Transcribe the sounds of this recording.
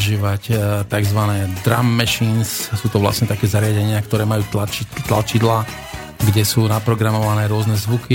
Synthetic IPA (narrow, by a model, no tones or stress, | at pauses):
ʒiːʋact̪aɡzʋanɛːd̪ɾa̰mːɛʃinssuːt̪ɔʋla̰sɲɛt̪akɛːzaɾɪaɟɛɲɪakt̪ɔɾɛːmajuːt̪lat͡ʃit̪la̰t͡ʃid̪la | ɡɟɛsuːnapɾɔɡɾamɔʋanɛːɾʊɔznɛzʋuki